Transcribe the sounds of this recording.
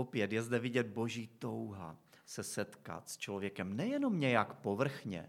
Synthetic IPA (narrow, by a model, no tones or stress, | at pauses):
opjɛt̪jɛzd̪ɛvɪɟɛd̪̚bo̞ʒiːt̪owɦa̰ | sɛsɛt̪ka̰t̪st͡ʃlovjɛkɛmnɛjɛno̞mɲɛjakpovr̩xɲɛ̰